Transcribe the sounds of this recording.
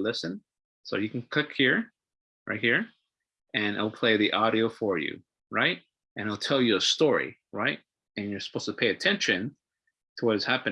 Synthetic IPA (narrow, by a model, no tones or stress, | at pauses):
lɪsɨ̃n | soʊjɨkʰn̩kʰʊkhiɹ | ɹʔa̰ɪt̚hiɹ | ɨ̃na̰ɪlˠpʰl̥eɪðiʔɑɾioʊfə˞jʉ̰ | ɹaɪt̚ | ɨ̃naɪlˠtʰɛlˠjɨəstɔɹḭɹaɪt̚ | ɨ̃njə˞sə̥pʰoʊstʰə̥pʰeɪɨtʰɛ̃nʃɨ̃n | tʰəwʌt̚ɨz̥hæpɨ̃